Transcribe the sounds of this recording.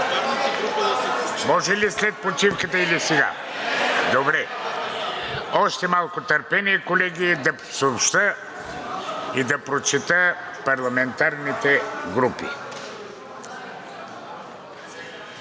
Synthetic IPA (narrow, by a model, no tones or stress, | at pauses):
mɔʒɛlislɛt̪̚pɾot͡ʃifkət̪əilisɛɡa̰ | d̪obɾɛ | ɔʃt̪ɛmalˠkʊt̪ɐɾpɛnikolɛɡʲid̪ɐ | soopʃt̪ə | id̪ɐpɾot͡ʃit̪əpɐɾlˠɐmɛnt̪aɾnit̪ɛɡɾupḭ